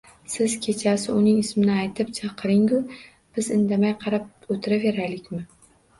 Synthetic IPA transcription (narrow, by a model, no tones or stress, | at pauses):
sɪz̥kʲʰe̞t͡ʃʰasɪʊnɪŋɪsmɪnɪajt̪ʰɪp̚t͡ʃʰɑqʰɨɾɪŋʊ | b̥ɪzɪnd̪amajqʰɑɾap̚ot̪ʰɪɾave̞ɾalɪkʲmɪ